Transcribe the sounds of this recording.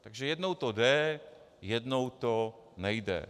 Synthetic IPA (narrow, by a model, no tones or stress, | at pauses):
t̪aɡʒɛjɛdnowt̪odɛ | jɛdnowt̪onɛjdɛ̰